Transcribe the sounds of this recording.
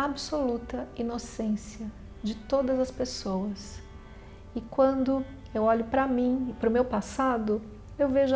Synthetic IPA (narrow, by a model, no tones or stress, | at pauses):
absolut̪ɐinosẽsiɐ | d͡ʒɪt̪od̪ɐzɐspesowɐs | ɪkwɐ̃nd̪ʊ | ewɔʎʊpɾɐmĩpɾʊmewpasad̪ʊ | ewveʒʊ